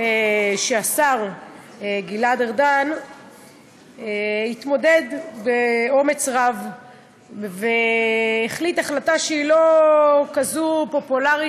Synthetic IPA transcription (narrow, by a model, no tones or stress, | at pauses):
eʃeasaʁ | ɡiladeʁdan | hit̪mo̞de̞d̪beo̞me̞t͡sʁav | veː | χlitaχlataʃeilo̞kazupo̞pulaʁi